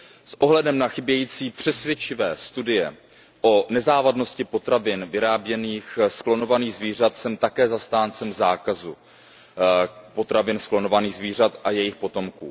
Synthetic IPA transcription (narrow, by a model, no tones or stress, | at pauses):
sʔo̞ɦlɛdɛmnaxɪbjɛjiːt͡siːpr̥ɛsvjɛt͡ʃɪvɛːst̪udɪjɛ | ʔo̞nɛzaːvadno̞scɪpo̞t̪ɾavɪnvɪɾaːbjɛniːxsklo̞no̞vaniːɣzviːr̝at̪sɛmt̪akɛːzast̪aːnt͡sɛmzaːkazu | po̞t̪ɾavɪnsklo̞no̞vaniːɣzviːr̝at̪ʔajɛjɪxpo̞t̪o̞mkṵː